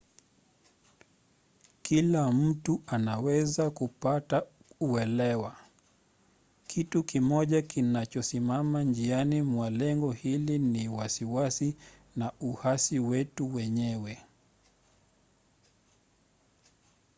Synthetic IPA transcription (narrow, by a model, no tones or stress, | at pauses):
kilam̩tuanawɛzakupata | uɛlɛwa | kʰitukimɔʄakinat͡ʃɔsimamand͡ʒianimwalɛŋɡɔhiliniwasiwasi | nauhasiwɛtuwɛɲɛwɛ